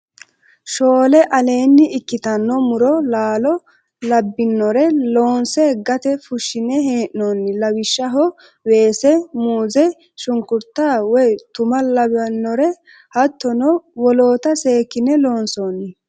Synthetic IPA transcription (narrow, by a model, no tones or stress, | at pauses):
ʃo̞ːlɛʔɐle̞ːnːɪɪkːɪt̪ɐnːɔmʊɾɔlaːlɔ | lɐbːɪnːɔɾɛlo̞ːnsɛɡɐt̪ɛfʊʃːɪnɛɦeːʔnɔnːɪlɐwɪʃːɐɦɔ | we̞ːsɛmuːzɛ | ʃʊŋkʊɾt̪ːaːwɔjt̪ʊmɐlɐbɐnːɔɾɛ | hɐt̪ːɔnɔwɔloːt̪ɐseːkːɪnɛlo̞ːnsoːnːɪ